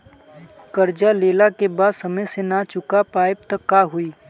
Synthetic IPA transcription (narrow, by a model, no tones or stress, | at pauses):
kəɾd͡ʒaleːlakebaːd̪sɐməjsenat͡ʃʊkapaːeb̚t̪əkːaɦʊiː